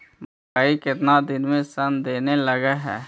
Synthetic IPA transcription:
mɐkaːikɪt̪nad̪ɪnmẽsɐnd̪eːnelɐɡaɦɛː

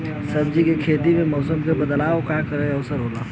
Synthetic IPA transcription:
sɐbd͡ʒikekʰeːd̪imẽmɔːsəmkebɐd̪laːokakɐɾẽɐʊsəɾɦoːlaː

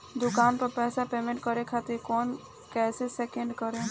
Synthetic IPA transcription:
d̪ʊkaːnpɐɾpɛːsapeːmẽɳʈ̚kəɾẽkʰaːt̪ɪɾkɔːn | kɛːseseːkẽɳɖkəɾẽː

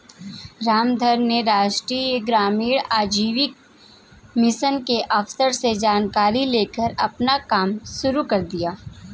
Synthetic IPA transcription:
ɾaːmd̪ʱəɾneɾaːʃʈɾieɡɾaːmiːɽaːd͡ʒiːʋɪk̚ | mɪsənkeʔɐfsəɾsed͡ʒaːnkaːɾileːkəɾɐpnakaːmʃʊɾukɐɾd̪ijaː

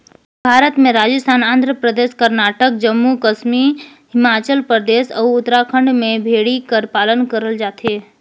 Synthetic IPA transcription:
bʱaːɾət̪mẽɾaːd͡ʒəst̪ʰaːnãːnd̪ʱɾəpɾəd̪eːʃkəɾnaːʈək̚d͡ʒəmːukəsmi | ɦɪmaːt͡ʃəlpɾəd̪eːsɔʊt̪ɾakʰə̃ɳɖmẽbʱeːɽikəɾpaːlənkəɾəld͡ʒaːt̪eː

